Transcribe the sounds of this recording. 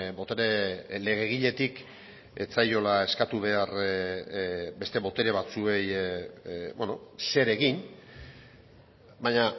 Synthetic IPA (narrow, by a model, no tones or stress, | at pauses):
bo̞t̪eɾele̞ɣ̞e̞ɣ̞iʎe̞t̪ik | e̞t͡sajo̞lae̞skat̪uβ̞e̞ar | be̞st̪e̞βo̞t̪e̞ɾe̞β̞at͡sue̞j | bono̞se̞ɾe̞ɣin | baɲa